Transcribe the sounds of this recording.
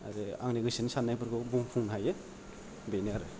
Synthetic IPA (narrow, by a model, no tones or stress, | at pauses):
a̰ɾeaŋniɡɯsinsanːajbɯɾɡɯbuŋpʰuŋnɦaje | beniaɾɯ